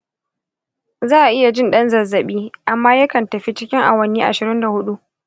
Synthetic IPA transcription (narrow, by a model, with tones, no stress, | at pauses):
zaː˦˨ʔa˨ʔɪ˦ja˨d͡ʒɪ˦nɗɐ˦nzɐ˨zːɐ˨ɓiː˦ʔa˨mːaː˦jɐ˦kɐ˨ntɐ˨ɸi˦t͡ʃɪ˦kʲɪ˦ŋʔa̰˨wɐ˦niː˦ʔa̰˨ʃɪ˨ɾɪ˦nda˨hʊ˦ɗu˦ʔ